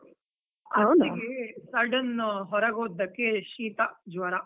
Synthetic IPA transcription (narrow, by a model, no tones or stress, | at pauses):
ɐɐwniɡesɐɾɖɐnːɦɔɾɐɡoːd̪ːɐkːeʃiːt̪ɐd͡ʒʋɐɾɐ